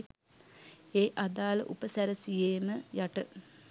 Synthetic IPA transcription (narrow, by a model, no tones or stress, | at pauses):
eːʔad̪aːlə̰ʔupəsæɾəsijeːməjaʈə